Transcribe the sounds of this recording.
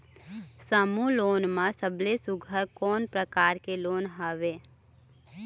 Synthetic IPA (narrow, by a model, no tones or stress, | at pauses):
səmuloːnmãsəblesʊɡʱəɾkɔːnpɾəkaːɾkeloːnɦaːʋeː